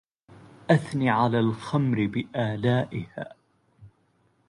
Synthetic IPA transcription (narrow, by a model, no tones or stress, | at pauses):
ʔaθniːʕalaːlxamɾɪbɪʔaːlaːʔɪha̰ː